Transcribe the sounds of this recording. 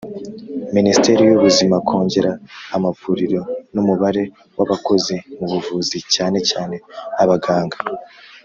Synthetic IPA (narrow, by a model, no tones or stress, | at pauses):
ministe̞ɾijuβuzimakʰo̞ːɲɟe̞ɾaːmavuːɾiɾo̞numuβaɾe̞ | wʔaβako̞zimuβuvuːzicaːne̞caːne̞aβaɡaːŋɡa